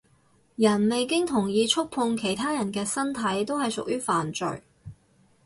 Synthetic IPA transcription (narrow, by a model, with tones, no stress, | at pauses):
jɐ˨˩nme˨jkɪ˥ŋt̪ʰʊ˨˩ŋjiː˧t͡ʃʰʊ˥k̚pʰʊ˧ŋkʰe˨˩jt̪ʰaː˥jɐ˨˩nkɛː˧sɐ˥nt̪ʰɐ˨˥jt̪o˥whɐ˨jsʊ˨k̚jyː˥faː˨˩nt͡ʃɵ̰˨˩ɥ